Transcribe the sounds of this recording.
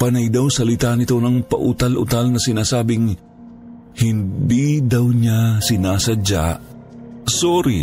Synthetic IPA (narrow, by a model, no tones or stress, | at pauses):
pɐnajd̪awsɐlɪt̪aʔnɪt̪onɐŋpɐ̰ʔʊt̪alʔʊ̰t̪alnɐsɪnaːsaːbɪŋ | hɪnd̪id̪ɐwɲasɪnaːsɐd͡ʒa̰ʔ | soɾi